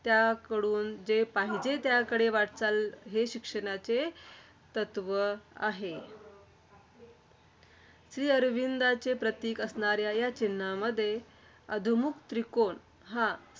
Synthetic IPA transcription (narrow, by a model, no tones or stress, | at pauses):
t̪jakəɽuːnd͡zepaɦid͡ʑet̪jakəɽeʋaʈt͡salɦeɕikʂəɽ̃at͡se | t̪ət̪ʋəa̰ɦe | ɕɾiːəɾʋind̪at͡sepɾət̪iːkəsɳaɾjajat͡ɕinːaməd̪ʱːje | əd̪ʱəmukt̪ɾikon | ɦa